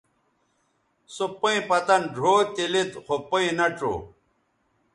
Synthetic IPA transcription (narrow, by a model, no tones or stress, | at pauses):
supɐĩpɐt̪ɐnɖʱoːt̪ilit̪xopɐĩnɐʈ͡ʂo̰ː